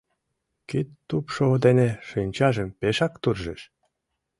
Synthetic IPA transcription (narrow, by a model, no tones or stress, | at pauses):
kit̪ːupʃod̪eneʃɯnʲt͡ɕɑʒə̆mpeʃɑkt̪urʒeʃ